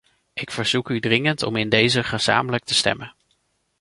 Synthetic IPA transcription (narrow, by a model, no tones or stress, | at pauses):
ʔɪkfəɹz̥ukydrɪŋəntɔ̰mɪndejzəχəz̥a̰ːmələk̚təstɛ̰mən